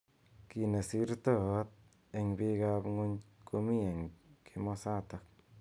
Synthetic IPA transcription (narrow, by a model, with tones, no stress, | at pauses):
ki˨ne˨si˦ɾt̪ɔ˦˨˦t̪̚ | e˧ŋbi˦ɣa˧bŋo˦ɲkʰo˧mi˦e˨ŋkʰi˧mɔ˧sa˦t̪a˨k̚